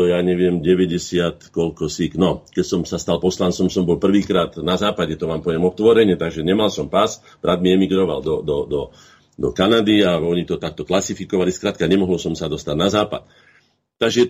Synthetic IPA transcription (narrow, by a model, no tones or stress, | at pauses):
ɔjaːɲɛʋɪɛmɟɛʋɛɟɛsɪat̪kɔʎkɔsiknɔkɛcsɔmsast̪alpɔslant͡sɔmsɔmbɔlpr̩ʋiːkɾaːt̪nazaːpaɟɛt̪ɔʋaːmpɔʋjɛmɔt̪ʋɔɾɛɲɛt̪aɡʒɛɲɛmalsɔmpas | b̥ɾʔad̪miɛmiɡɾɔʋa̰ld̪ɔd̪ɔd̪ɔ | d̪ɔ̰kanad̪iaɔɲit̪ɔt̪ak̚t̪ɔklasifikɔʋaliskɾaːt̪̚kaɲɛmɔɦɔlsɔmsad̪ɔst̪aɟnazaːpa̰t̪̚ː | aɡʒɛ